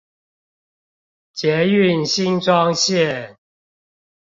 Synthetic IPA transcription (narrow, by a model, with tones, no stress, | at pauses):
t͡ɕjɛ˨˦y˥˨nɕi˦˥nʈ͡ʂwɑ˦ŋɕjɛ˥˨